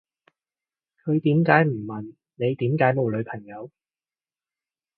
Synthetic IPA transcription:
kʰɵ˨˧ɥt̪iː˨˥mkaː˨˥jm̩˨˩mɐ˨˩n | ne˨˧jt̪iː˨˥mkaː˨˥jmo˨wlɵ˨˧ɥpʰɐ˨˩ŋjɐ˨˧w

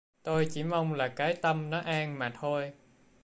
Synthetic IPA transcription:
t̪o˧jt͡ɕi˧˩ma˧wŋ͡mlaː˨˩kaː˨˦jt̪ə˧mnɔ˨˦ʔaː˧ŋmaː˨˩t̪ʰo˧j

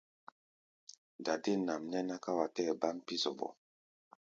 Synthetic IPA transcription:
da˨de˦˨na˨mnɛ˦na˦ka˦wa˨tɛ˦˨ba˦m˦pi˦zɔ˨bɔ̰˨

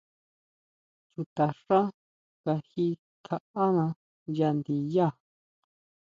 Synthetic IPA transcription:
t͡ʃu˧t̪a˨ʂã˦ | ka˧hi˧ | kʰa˧a˦nã˧ | ja˧nd̪i˧ja˦˨

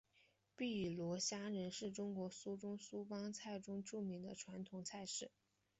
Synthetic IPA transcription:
pi˥˩˨lwɔ˧˥ɕja˥ɻə˧˥nʂɻ̩˥˩ʈ͡ʂʊ˥ŋkwɔ˧˥su˥ʈ͡ʂʊ˥ŋsu˥pɑ˥ŋt͡sʰa˥˩ɪʈ͡ʂʊ˥ŋʈ͡ʂu˥˩mi˧˥ŋd̪ə˧ʈ͡ʂʰwa˧˥nt̪ʰʊ˨˩ŋt͡sʰa˥˧ɪʂɻ̩˥˩

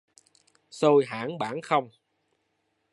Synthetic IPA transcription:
so˧jɦa̰ː˧˥nɓaː˧˥nxə˧wŋ͡m

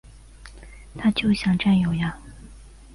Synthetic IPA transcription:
t̪ʰa˥t͡ɕjo˥˩ʊɕjɑ˨˩ŋʈ͡ʂa˥˩njo˨˩ʊja˧˩

